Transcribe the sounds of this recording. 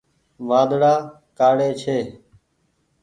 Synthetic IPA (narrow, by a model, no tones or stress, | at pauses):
ʋãːd̪ɽaː | kaːɽeːt͡ʃʰeː